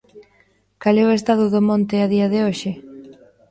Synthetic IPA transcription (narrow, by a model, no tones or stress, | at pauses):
kalɛʊest̪aðʊðomõnt̪ɪaðiɐðɪoʃɪ